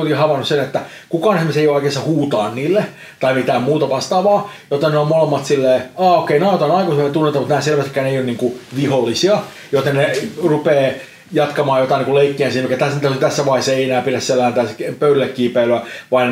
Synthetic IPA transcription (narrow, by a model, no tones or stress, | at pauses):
okihɑʋɑnussenet̪ːæ | kukɑːnsmeseijooˑikesːɑhuːt̪ɑːnniːlːe | t̪ɑimit̪æːmmuːt̪ɑʋɑst̪ɑːʋɑːjot̪ːenneomolemːɑt̪silːeːɑːokeinɑut̪ɑnɑikosmnet̪unːet̪ɑmut̪næhːselʋæst̪ikːˑæːneijoniːŋkuʋiholːisiɑ | jot̪ennerupeː | jɑt̪kɑmɑːjot̪ɑˑiniŋkuleikːiænsiːnmikːæt̪æst̪æt̪yt̪æsːæʋɑihesːeienæːpiɾæsselːæːnt̪æːskpøylylːekːiːpæiløæʋɑin